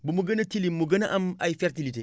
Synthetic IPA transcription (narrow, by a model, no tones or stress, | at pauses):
bumuɡɐnɐtilimːuɡɐnaʔɐmaifeɾtilite